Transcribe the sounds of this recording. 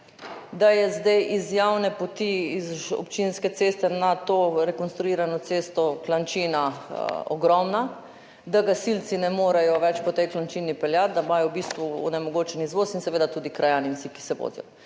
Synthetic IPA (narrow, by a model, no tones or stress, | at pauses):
d̪ajɛzd̪ajʔizjawnɛpot̪iːzɔ̰pt͡ʃinskɛt̪seːst̪ɛnat̪oːɾɛkonst̪ɾuiːɾanɔt̪sest̪ɔklant͡ʃiːnaɔɡɾɔmna | d̪aɡasilt̪sinɛmoːɾajɔʋɛt͡ʃpɔt̪ɛjklant͡ʃiːnipɛljat̪̚d̪amaːjɔwbist̪ʋuɔ̰nɛmɔɡoːt͡ʃɛnizʋosinsɛʋeːd̪at̪uːd̪ikɾajaːnimsiki̥sɛʋo̰ːd̪jɔ̰